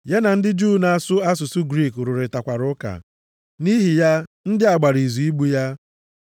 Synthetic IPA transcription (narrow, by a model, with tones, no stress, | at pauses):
ja˦na˨n̩˦dɪ˦d͡ʒu˦˨na˨a˨sʊ˦a˦s̬ʊ˨sʊ˦ɡɾi˦˨kɾʊ˨ɾɪ˨ta˨kʷa˨ɾʊ˦ka̰˨ | ni˦ɦi˨ja˦n̩˦dɪ˦a˨ɡ͡ba˨ɾi˨zu˨i˦ɡ͡bu˦ja˦